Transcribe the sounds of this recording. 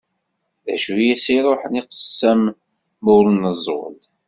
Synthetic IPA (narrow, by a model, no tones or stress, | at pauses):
ðæ̰ʃujæsiɾˤoħniqə̥sːəm | muɾənəzˤwə̰l